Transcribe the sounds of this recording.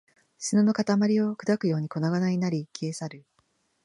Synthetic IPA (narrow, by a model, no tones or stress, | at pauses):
ɕinono̞kat̪amaɾʲio̞kɯ̟d̪akɯ̟jo̞ːɲ̟iko̞naɡanaɲʲinaɾʲikʲeːsaɾɯ̟